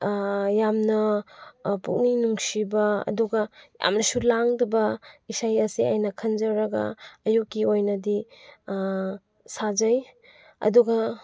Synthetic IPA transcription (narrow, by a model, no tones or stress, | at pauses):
jamnɐ | pṵk̚ninuŋsibɐɐ̰duɡɐja̰mnɐsulaŋdɐbɐisajɐsiajnɐkʰɐnzɐɾɐɡɐ̰ːjukːiojnɐdi | sazɐj | ɐ̰duɡɐ